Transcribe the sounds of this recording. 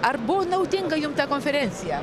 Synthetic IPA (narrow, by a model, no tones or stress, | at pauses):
aɾbonawt̪iŋɡajũmt̪ɐkõfeɾẽnsja